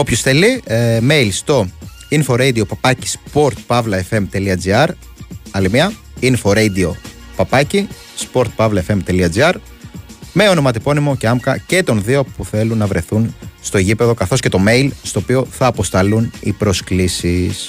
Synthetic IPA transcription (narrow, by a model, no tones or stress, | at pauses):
o̞pçosθelime̞jlst̪o̞ | info̞ɾejd̪io̞pɐpɐci̥spo̞ɾt̪̚pɐvlɐefe̞mt̪e̞liɐd͡ziɐɾ | ɐlimiɐ | info̞ɾejd̪io̞ | pɐpɐci | spo̞ɾt̪̚pɐvlɐefe̞mt̪e̞liɐd͡ziɐɾ | me̞o̞no̞mɐt̪ipo̞nimo̞ce̞ɐmkɐce̞t̪o̞nðio̞puθe̞lunːɐvɾe̞θunst̪o̞eʝipe̞ðokɐθo̞sce̞t̪o̞me̞jlst̪o̞ːpio̞θɐːpo̞st̪ɐlunḭpɾo̞sklisis